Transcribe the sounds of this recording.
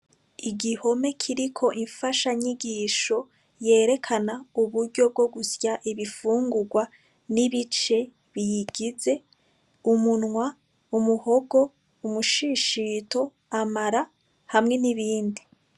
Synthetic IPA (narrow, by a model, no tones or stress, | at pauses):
iɡiho̞me̞kʰiɾikʰo̞ʔiɱfaʃaɲiɡiːʃo̞ | je̞ːɾe̞kʰanauβuɾɟo̞b̚ɡo̞ɡusjaʔiβifuːŋɡuɡwa | niβit͡ʃe̞ | βijiɡize̞ | umunŋwa | umuho̞ɡo̞ | umuʃiʃitʰo̞ | amaɾa | hamŋe̞niβiːndi